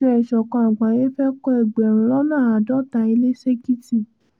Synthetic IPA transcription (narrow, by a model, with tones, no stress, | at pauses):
ɛ˧˨ʃɔ˨kã˧a˨ɡ͡ba˨je˦fɛ˦kɔ˦ɛ˨ɡ͡bɛ˨ɾ̃ũ˨lɔ˦nãː˦˨a˨dɔ˦ta˧˨i˧le˦se˦ki˦ti˨